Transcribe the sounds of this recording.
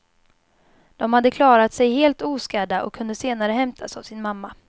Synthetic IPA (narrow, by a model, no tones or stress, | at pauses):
d̪̥ɔmhad̪ːəkʰlɑːɾat̪sɛjɦeːlt̪uːskæːɖaʔɔ̰kʰːɵnd̪əseːnaɾəɦɛmt̪ʰasavsɪnmamːa